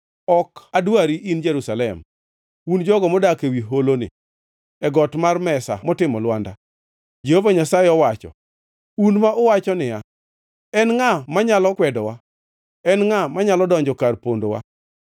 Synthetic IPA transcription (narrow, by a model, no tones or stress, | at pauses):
ɔkadwaɾiʔind͡ʒeɾusalɛm | und͡ʒɔɡɔmɔdakewiɦolonɪ̰ | ɛɡɔtmarmɛsa̰mɔtɪmɔlwanda̰ | d͡ʒehovaɲasaɪɔwat͡ʃɔ̰ | unmaʔɔwat͡ʃɔnɪja | ɛnŋamaɲalɔkwɛdɔwa | ɛnŋamaɲalɔdɔɲd͡ʒɔkarpondowa̰